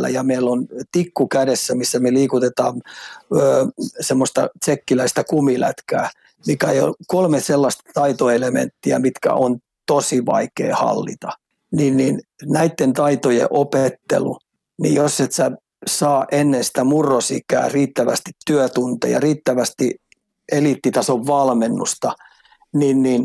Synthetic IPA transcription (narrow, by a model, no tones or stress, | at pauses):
lːæ̰jɑmeilːont̪ikːukædesːæmisːæmeliːkut̪et̪ɑːmøːsemːost̪ɑ̰t̪sekːilæist̪ɑkumilæ̰t̪kæː | mikæeio̰kolmeselːɑst̪ɑt̪ɑit̪oelemḛnt̪ːiæ̰mit̪kæ̰ʔon | t̪osiʋɑ̰ikḛːhɑ̰lːḭt̪ɑ | ninninnæit̪ːent̪ɑit̪ojḛʔopet̪ːḛlṵ | nḭjosːet̪sæ | sɑːʔenːensi̥t̪æmurːosḭkæ̰ːriːt̪ːæʋæ̰st̪i̥t̪ːyøt̪unt̪ḛjɑ̰riːt̪ːæʋæst̪i | elit̪ːit̪ɑsoʋʋɑlmenːṵst̪ɑ | ninnin